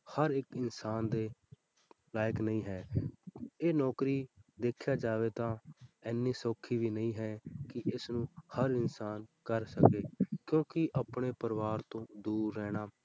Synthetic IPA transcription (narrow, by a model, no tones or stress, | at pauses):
həɾɪkɪnsaːnd̪eː | laːjəknəĩːɦɛː | eːnɔːkɾiːd̪eːkʰjaːd͡ʒaːʋeːt̪ãːɛːnːiːsoːkʰːiːʋiːnəĩːɦɛːkɪʔɪsnũːhəɾɪnsaːnkəɾsəkeːkjõːkɪʔəpɳeːpəɾʋaːɾt̪õːd̪uːɾːɛːɽ̃aː